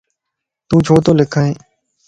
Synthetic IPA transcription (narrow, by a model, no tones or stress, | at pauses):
t̪ũːd͡ʒʰʱoːt̪oːlɪkʰəẽː